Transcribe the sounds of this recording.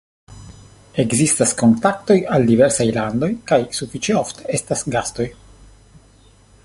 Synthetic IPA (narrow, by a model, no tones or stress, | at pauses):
e̞ɡzistasko̞nt̪ak̚t̪o̞jald̪iveɾsajland̪o̞jkajsufit͡ʃeoft̪e̥estasɡast̪o̞j